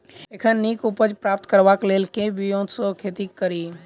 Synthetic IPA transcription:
ekʰəniːkupəd͡ʒpɾaːp̚t̪kəɾʋaːkleːlkebijõsokʰeːt̪ikəɾiː

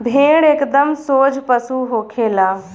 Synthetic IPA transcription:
bʱẽːɽekd̪əmsoːd͡ʒpɐsuːɦoːkʰeːlaː

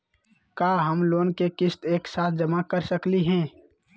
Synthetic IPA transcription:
kaːɦəmloːnkekɪst̪eːksaːt̪̚ʰd͡ʒəmakəɾsəkliɦɛ̃ː

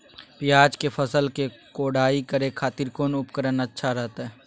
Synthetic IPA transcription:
pɪjaːd͡ʒkefʰəsəlkekoːɽaːikəɾekʰaːt̪ɪɾkoːnʊpkəɾənɐtːʃʰaɾɛɦt̪aɦɛː

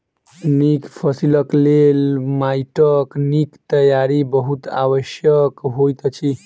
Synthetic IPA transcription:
nikpʰʌsiləklelmajʈəknikt̪əjaɾibəɦut̪a̰wəʃjəkɦojt̪ʌt͡ʃʰi

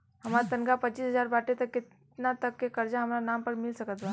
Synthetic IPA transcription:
ɦɐmaːɾat̪ɐnɡapɐt͡ʃiːsɦɐzaːɾbaːʈet̪ɐkːɪt̪ | nat̪ɐkːekɐɾd͡ʒaɦɐmːɾanaːmpɐɾmɪlsɐkət̪ba

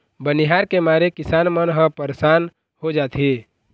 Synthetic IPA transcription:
bənɪɦaːɾkemaːɾekɪsaːnmənɦə̃pəɾesaːn | ɦod͡ʒaːt̪ʰi

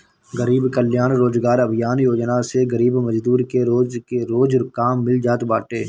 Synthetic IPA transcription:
ɡəɾiːbkəljaːnɾoːd͡ʒɡaːɾɐbʱjaːnjoːd͡ʒnaseɣəɾiːbmɐd͡ʒd̪uːɾkeɾoːd͡ʒkeɾoːd͡ʒɾkaːmːɪld͡ʒaːt̪baːʈeː

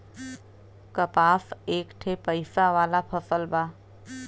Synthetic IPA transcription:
kəpaːseːkʈʰepəɪsaʋaːlapʰəsəlbaː

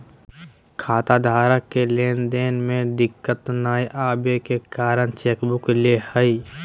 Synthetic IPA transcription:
kʰaːt̪ad̪ʱaːɾəkːeleːnd̪eːnmẽd̪ɪkːət̪naːjʔaːbekekaːɾənt͡ʃeːkbʊklehəi

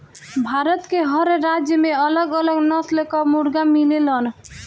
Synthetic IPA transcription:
bʱaɾət̪keɦɔɾɾad͡ʒjəmeələɡələɡnɔslekɔmuɽɡamilelən

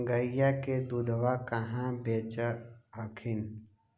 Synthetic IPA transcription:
ɡəɪjaked̪ud̪ʱʋakəɦãbeːt͡ʃəəkʰɪn

